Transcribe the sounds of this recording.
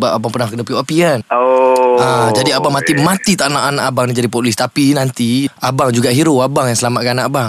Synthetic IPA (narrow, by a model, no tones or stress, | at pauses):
bap̚abaŋpənaŋkənəpioʔapiən | ãd͡ʒadiabaŋmat̪imãt̪it̪aʔnaʔanaʔabaŋnid͡ʒadipɔlist̪apinant̪iabaŋd͡ʒuɡaʔɦiɾoabaŋjaŋsəlamat̪̚kaanaʔabaŋ